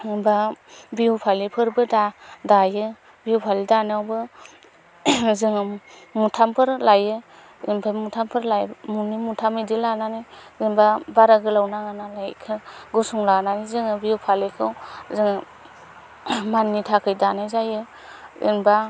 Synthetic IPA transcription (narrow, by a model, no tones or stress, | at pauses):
inbabiwpʰalipʰɯɾbɯdadajɯ | biupʰalidanawbɯ | zɯŋɯmutʰampʰɯɾlajɯ | ḭnbamutʰampʰɯɾlajmunimutʰamɯdilananizinbabaɾaɡɯlawnaŋanalajkʰɯɡusuŋlananizɯŋɯbiupʰalikʰɯwzɯŋɯ | manːitʰakʰɯjdanajzajɯ | ḭnba